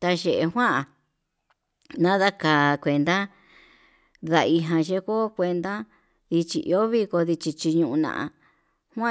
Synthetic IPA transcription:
t̪a˧ʒe˧˨ʔe˧ɦwã˦ʔa˨ | nã˦ða˦ka˨kʷe˧nd̪a˦ | ða˧i˧ɦã˧ʒe˧˦ko˦kʷe˧nd̪a˦ | ði˧t͡ʃḭ˧˨ʔḭ˧o˦βi˦ko˧ði˧t͡ʃi˧t͡ʃi˧ɲũ˧ʔũ˧nã̰˨ʔã̰˧ | hw̃ã˦

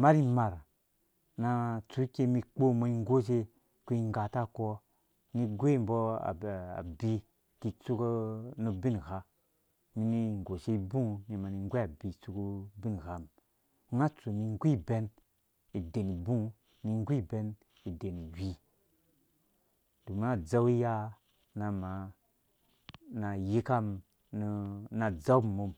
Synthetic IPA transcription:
ma˦ɾi˦ma˨ɾ | na˧t͡su˨˦ke˧mi˧k͡po˦mo˧i˦ŋ˦ɡo˦ʃe˦ | ku˦i˧ŋ˦ɡa˨ta˦kɔ˧ | ni˧ɡʷe˦mbɔ˦a̰˨a̰˨bi˦ | ki˨t͡su˦knu˧bi˦n˨ɣa˨ | mi˨ni˧˨ŋ˨ɡo˨ʃe˦i˦bũ˦ni˨ma˨ni˨ŋ˦ɡʷe˦a˨bi˨t͡su˦ku˦bi˦n˨ɣa˨m˦ | ŋa˦t͡su˨ni˧ŋ˦ɡʷi˦be˦n | i˨de˨ni˨bũ˦ | ni˧ŋ˦ɡʷi˦˨be˧n | i˨de˨ni˨wi˦ | d̥u˨m˦a˦d͡za˦wi˦ja˦ | na˧ma˨ | na˨ji˦ka˦m | n˧˦na˨d͡za˦wmo˨m

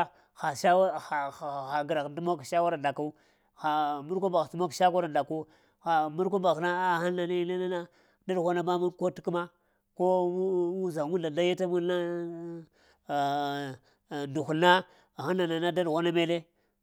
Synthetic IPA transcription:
xa˨ʃa˦wa˦˨ | xa˨ɡɾa˨kdu˦mo˦kʃa˦wa˦ɾa˨nda˨ka˦u˦ | xa˨mu˦ɾko˦ba˨ɣtu˦mo˦kʃa˦ka˦ɾa˨nda˨ku˦ | xa˨mu˦ɾk̬o˦ba˨na˦a˦˨ha˦nːa˨ni˦le˦na˦na˦ | da˦dɣo˦na˦ma˦mu˦nko˦ti̥˦ku˦ma˦ | ko˦wu˦za˨ŋu˦nda˨da˦ja˦ta˦mu˦a˦˨ | ndu˨xu˨na˦˨ | xa˦nːa˨na˨na˦da˦dɣo˦na˦me˦le˦

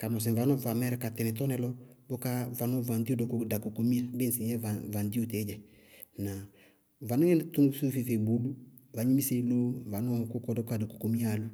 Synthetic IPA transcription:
ka˨mɔ˨s̬ɛ˨va˨˦nɔ˦va˨mɛ˦ɾɛ˨ka˨tɛ˨nɛ˨tɔ˦nɛ˨˦lɔ˦bɔ˦ka˦va˨nɔ˦va˨ndi˦u˦dɔ˨˦kɔ˦da˨ko˨ko˨mi˦a˦be˦n˨si˨ɲɛ˦a˨va˨ndi˦u˦te˨˦d͡ʒɛ˨ | na˨ | va˨nɔ˦ɛ˦n˨tu˦ŋ˦su˦fi˦˨fe˨bu˨˦lu˦va˨˦ɲi˦mi˦se˦lo˦˨va˨nɔ˦ko˦kɔ˦dɔ˦ka˦˨da˨ko̥˨ko˨mi˦a˨lu˦

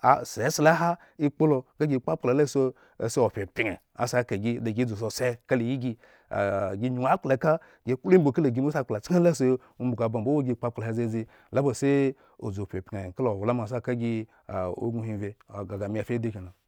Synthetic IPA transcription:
a̰˨˦˨se˨˦si˦la˦ɦa˦ | i˦k͡po˦lo˧ɡa˦ɡʲi˦˨k͡pa˦k͡pla˨la˦˨so˦˨ | se˦o˨pʲe˨pi˨ŋe˨ | a̰˨sa˦ka˨ɡi˦da˨ɡʲi˦˨o˨s̬o˨se˦ka˦li˨ji˦ɡḭ˦˨ | ɡi˦ɲu˨a˦k͡pla˨˦ka˦ | ɡe˦k͡plo˦bo˨ka˦lo˨ɡi˨˦o˦sa˦k͡pla˨t͡sa˦la˦so˦ | u˦mbu˨ɡa˨ba˨m˨bo˦wo˦ɡʲi˦˨k͡pa˦kla˨a˦ze˦d͡zi˦ | la˦bo˨se˦ | o̰˨d͡zo˨pʲe˨pʲe˨ka˦lo˨o˨wla˦m˨a˨s̬a˦ka˦ɡʲi˦˨ | o̰˦ɡu˦hi˨ve˨ɡa˨ɡa˨mi˦a˨fʲe˦de˦ki˨na˨

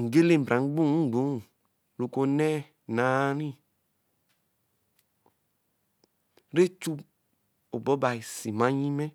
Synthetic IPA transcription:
ŋ̩˨ɡe˦le˦m̩˨bɾã˨ŋ̩˦ɡ͡bũ˦˨˦ɡ͡bu˨˦˨ | ɾu˨ko˧nɛː˦˨ | nã˨˦ɾĩ˦ | ɾe˦t͡ʃu˦ | o˨bɔ˦ba˨i˨si˨mã˦ɲĩ˦mɛ̃˦

